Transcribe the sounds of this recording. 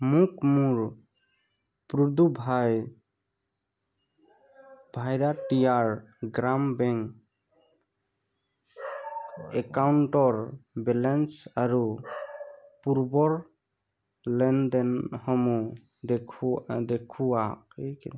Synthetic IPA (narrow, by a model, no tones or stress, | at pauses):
mukmuɾ | pɾud̪ubʱaj | bʱajɾaʈijaɹɡɾambɛŋk | ɛkawɳʈɔɾbɛlɛnsaɾu | puɾbɔɹ | lɛndɛnhɔmu | d̪ekʰd̪ekʰuakejke